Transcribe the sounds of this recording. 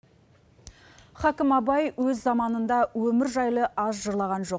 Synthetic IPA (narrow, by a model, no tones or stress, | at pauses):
χɑkʲɪmɑbɑjwɵzːɑmɑnənd̪ɑwɵmɪɾʒɑjlˠəʔɑzʒəɾlˠɑʁɑnʒo̞q